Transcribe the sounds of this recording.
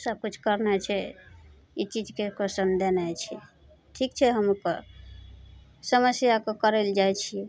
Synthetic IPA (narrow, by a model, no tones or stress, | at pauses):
səb̚kut͡ʃʰkəɾnɛt͡ʃʰɛ | it͡ʃid͡ʒkekosənd̪enajt͡ʃʰɛ | ʈʰikt͡ʃʰɛɦəmukɔ̰ | səməsjakekəɾeld͡ʒajt͡ʃʰiɛ